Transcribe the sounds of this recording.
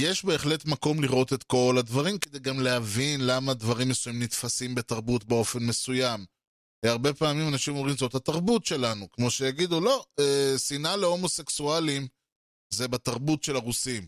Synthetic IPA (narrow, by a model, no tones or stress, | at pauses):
je̞ʃbe̞ːχle̞t̪mako̞mliʁʔo̞t̪e̞t̪ko̞ladvaʁimked̪e̞jɡamlehavinlamad̪vaʁimːesujimnit̪fasimbet̪aʁbutbeo̞fe̞nme̞sujam | eaʁbe̞paːmimanaʃimo̞mʁimzo̞thataʁbutʃe̞lanukmo̞ʃejaɡid̪ulo̞esinale̞o̞mose̞ksualim | ze̞bat̪aʁbutʃe̞laʁusim